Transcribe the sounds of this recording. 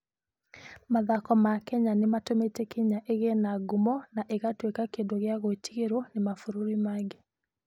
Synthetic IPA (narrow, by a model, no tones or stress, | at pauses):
maðakɔmakɛɲanematometɛkiɲaʔeɣɛnaɡumɔnaʔeɣatwekakeːndoɣjaɣotiɣeɾonemafuɾuɾimaɡe